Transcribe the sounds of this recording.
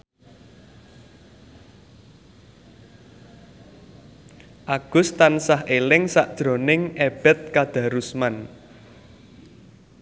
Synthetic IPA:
ʔaɡ̥ʊ̤st̪ansaɦelɪŋsaʔd̥ʒ̥ɾo̤nɪŋeb̥ɛ̤t̪̚kad̪̥ä̤ɾusman

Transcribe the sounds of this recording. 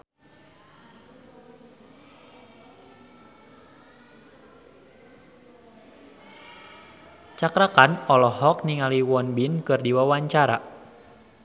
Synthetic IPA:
t͡ʃakɾakanɔlɔɦɔk̚niŋaliwɔnbinkɨrdiwawaɲt͡ʃaɾa̰

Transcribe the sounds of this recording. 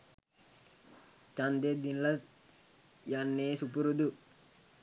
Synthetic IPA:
t͡ʃɐnd̪ed̪inlɐ | janːeːsupuɾud̪u

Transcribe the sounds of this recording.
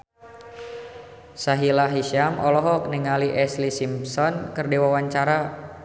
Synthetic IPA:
saɦilaɦiʃamʔɔlɔɦɔk̚niŋaliʔɛslisimpsɔnkərdiwawaɲt͡ʃaɾa

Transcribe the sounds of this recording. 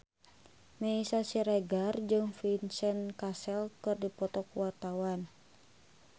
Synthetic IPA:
mɛisasiɾɛɡard͡ʒɨŋfinsɛnkasɛlkɨrdipɔt̪ɔkwart̪awan

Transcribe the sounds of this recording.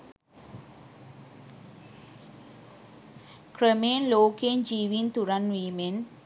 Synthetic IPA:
kɾəmeːnloːkend͡ʒiːʋint̪uɾanʋiːmen

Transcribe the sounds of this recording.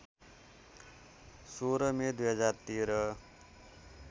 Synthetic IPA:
soɾʌmed̪ujɦʌd͡zart̪iɾʌ

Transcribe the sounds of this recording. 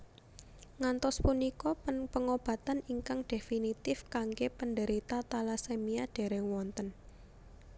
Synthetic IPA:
ŋant̪ɔspunikɔppəŋob̥ä̤t̪aniŋkaŋɖ̥e̤finit̪ɪfkaŋɡepənɖəɾit̪at̪alasemiaɖ̥e̤ɾɛwɔnt̪ən

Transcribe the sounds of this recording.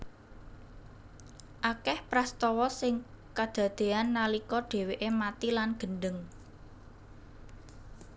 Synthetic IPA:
ʔakɛhpɾast̪ɔwɔsɪŋ | kad̪̥ä̤d̪̥e̤anːalikɔɖ̪̥e̤weʔemat̪ilanɡ̥ə̤nɖəŋ

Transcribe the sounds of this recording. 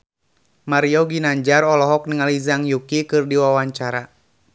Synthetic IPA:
maɾiɔɡinaɲd͡ʒarɔlɔɦɔk̚niŋalizaŋjukikɨrdiwawaɲt͡ʃaɾa

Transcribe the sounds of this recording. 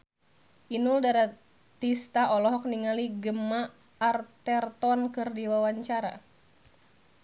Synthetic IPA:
ʔinuldaɾa | t̪ist̪aʔɔlɔɦɔk̚niŋaliɡəmːaː | rt̪ɛrt̪ɔnkɨrdiwawaɲt͡ʃaɾa̰

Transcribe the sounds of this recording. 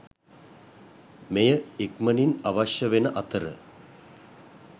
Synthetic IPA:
mejəekməninaʋaʃjəʋenəʔɐt̪əɾə̰

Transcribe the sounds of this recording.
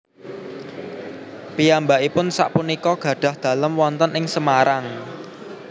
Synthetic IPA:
pijambaʔipʊnsa̰ʔpunikɔɡ̥ä̤ɖ̥ä̤hd̪̥a̤ləmwɔnt̪ənɪŋsəmaɾʔaŋ

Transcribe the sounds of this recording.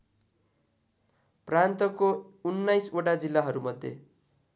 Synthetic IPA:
prant̪ʌkounːajsoʈad͡zilːaɦʌɾumʌd̪ʱːjḛ

